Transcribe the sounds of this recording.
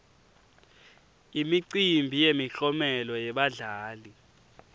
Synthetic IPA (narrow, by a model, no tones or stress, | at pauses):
imiǀimbʱijemiɬɔmɛlɔjɛɓaɮaːli